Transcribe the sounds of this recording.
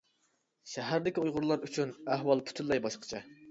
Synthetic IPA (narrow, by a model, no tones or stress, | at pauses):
ʃæɦæɾd̪ɪkʲiujʁʊɾlˠɑɾyt͡ʃʰynæhwɑlˠpʰy̥t̪ʰynlˠɑjbɑʃqʰə̥t͡ʃʰɛ